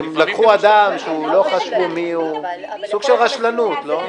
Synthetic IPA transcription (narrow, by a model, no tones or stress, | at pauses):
mlakχuad̪amʃeulo̞χaʃvumiusuɡʃelʁaʃlanut̪lo̞